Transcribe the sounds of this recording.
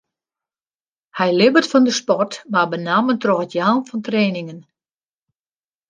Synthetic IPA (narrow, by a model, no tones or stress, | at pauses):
hɛjlɪbətfɔndəspɔrtmabənaməntrɔxətjaːnfɔntreːnɪŋən